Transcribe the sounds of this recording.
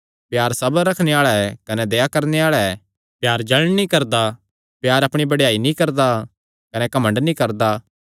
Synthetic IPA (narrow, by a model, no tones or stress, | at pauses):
pjaːɾsɐbəːɐkʰneaːɭɛkɐnɛd̪eːjakɐɾneaːɭɛ | pjaːɾd͡ʒɐɭnikɐɾd̪a | pjaːɾɐpɽ̃ibɐɽjaːinĩkɐɾd̪a | kɐnɛkɐmə̃ɳɖnĩkɐɾd̪a